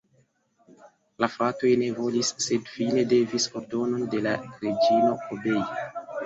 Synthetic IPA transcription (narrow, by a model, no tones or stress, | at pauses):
lafɾato̞jne̞vo̞lisːe̞dfine̞de̞viso̞ɾdo̞no̞nde̞laɾed͡ʒino̞ʔobe̞i